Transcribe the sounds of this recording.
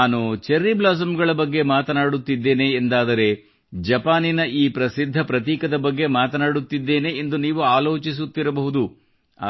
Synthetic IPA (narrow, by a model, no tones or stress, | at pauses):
aːnut͡ʃeɾːiblaːs̬ɐmɡɐɭɐbɐɡːe̞maːt̪ɐnaːɽut̪ːid̪ːe̞ːne̞ːnd̪aːd̪ɐɾe̞ | d͡ʒɐpaːninɐʔiːpɾɐsid̪ʱːɐpɾɐt̪iːkɐd̪ɐbɐɡːe̞maːt̪ɐnaːɽut̪ːid̪ːe̞ːne̞ːnd̪uniːʋuaːlo̞ːt͡ʃis̬ut̪ːiɾɐbɐɦud̪u | a̰